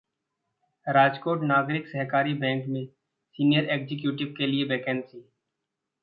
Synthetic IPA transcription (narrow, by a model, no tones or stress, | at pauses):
ɾaːd͡ʒkoːʈnaːɡɾɪksəɦkaːɾibɛ̃ːŋkmẽ | siːnijəɾeːkzɪk̬juːʈɪʋkeliebɛːkɛ̃ːnsiː